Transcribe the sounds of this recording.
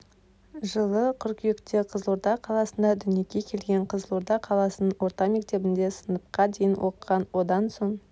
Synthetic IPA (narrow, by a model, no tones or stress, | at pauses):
ʒəlˠəqʰʏɾkʲʏjɪkt̪eqʰəzlˠoɾt̪ɑqʰɑlˠɑsənd̪ɑd̪ʏnje̞kʲe̞kʲʰe̞lɡʲe̞ɴqʰəzlˠoɾt̪ɑqʰɑlˠɑsənənwo̞ɾt̪ɑme̞kt̪e̞bɪnd̪e̞sənəp̚qɑd̪e̞jɪnwʔo̞̰qʁɑnwo̞d̪ɑnso̞ɴ